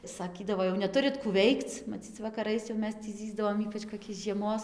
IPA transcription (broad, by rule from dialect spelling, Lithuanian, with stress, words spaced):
sɐˈkʲiːdɐʋoː jɛʊ nʲɛˈtʊrʲɪt kuː ˈʋʲɛɪkt͡s mɐˈt͡sʲiːt͡s ʋɐkɐˈrɐɪs jɛʊ ˈmʲɛs tʲiː ˈzʲiːzdɐʋoːm ˈiːpɐt͡ʃ koːˈkʲɛɪs ʒʲiɛˈmoːs